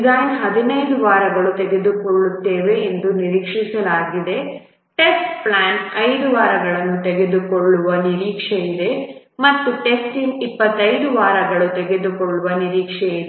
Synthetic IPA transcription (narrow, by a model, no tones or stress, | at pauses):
ɡaːnɦɐd̪inɐjd̪uʋaːɾɐɡɐɭut̪eɡe̞d̪ukoɭːut̪ːeːʋe̞ːnd̪uniɾikʂisɐlaːɡid̪e̞ | ʈesʈplaːɳɐjd̪uʋaːɾɐɡɐɭɐnːut̪eɡe̞d̪ukɔɭːuʋɐniɾiːkʂeid̪e̞ | mɐt̪ːuʈesʈinipːɐt̪ːɐjd̪uʋaːɾɐɡɐɭut̪eɡe̞d̪ukɔɭːuʋɐniɾiːkʂɛid̪